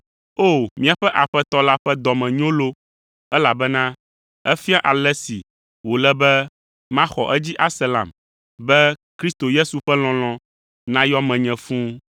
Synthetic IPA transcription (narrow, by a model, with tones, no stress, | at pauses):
o˦˨mĩ˦a˨ɸɛ˦ʔa˨ɸɛ˦t̪ɔ˦la˦ɸɛ˦d̪ɔ˨mɛ̃˨ɲõ˦lo˦ | ɛ˦la˨bɛ˦nã˦ | ɛ˦fi˦ã˦ʔa˨lɛ˦si˨ | wo˨lɛ˦bɛ˦ | mã˦xɔ˨ʔɛ˦d͡ʑi˦ʔa˦sɛ˦lã̰˨m | bɛ˦kɾi˦st̪o˨je˦su˨ɸɛ˦l̃ɔ̃˦l̃ɔ̃˨ | nã˦jɔ˦mɛ̃˨ɲɛ̃˨fũ˦